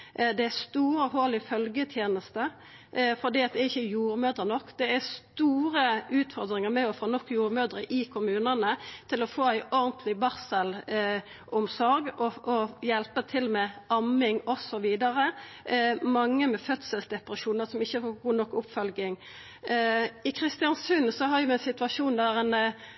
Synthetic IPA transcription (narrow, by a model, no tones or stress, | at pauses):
d̪ɛæst̪uːɾɔɦoːlɪfœlɡət̪ʰjeːnəst̪ə | fɔd̪iːɑt̪̚d̪ɛɾɪçːəjuːɾmøːd̪ɾənɔkːd̪̥ɛæst̪uːɾəʉːt̪fɔɾd̪ɾɪŋəmɛɔfoːnɔkːjuːɾmøːd̪ɾəʔɪkʰʊmʉːnənət̪ʰɪlɔfoːæɪʔɔɾnt̪ʰlɪbɑɾsəl | ʊmsɔɾɡɔɔjɛlpət̪ʰɪlmɛɑmɪŋɔsɔʋiːd̪ɑɾə | mɑŋːəmɛfœt̪səlsd̪ɛpɾɑʂuːnəʁsɔmɪçːəfoːɡuːnɔkːʊpfœlɡɪŋ | ɪkʰɾɪst̪ɪɑnsʉnsɔɦɑjʊɛɪnsɪt̪ʉɑʂuːnd̪æɾɛn